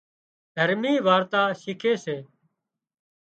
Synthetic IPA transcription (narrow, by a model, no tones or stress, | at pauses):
d̪ʱəɾmiːʋaːɾt̪aːʃɪkʰeːseː